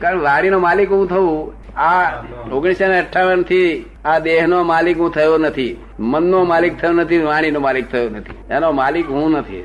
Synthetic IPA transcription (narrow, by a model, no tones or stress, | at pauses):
kaɾəʋaɽ̃inomalikɦũt̪ʰəʋũ | aoɡɽ̃iseneəʈʰːaʋənt̪ʰi | ad̪eɦnomalikɦũt̪ʰəjonət̪ʰi | mənːomalik̚t̪ʰəjõnət̪ʰiʋaɽ̃inomalik̚t̪ʰəjonət̪ʰi̥enomalikɦũnət̪ʰḭ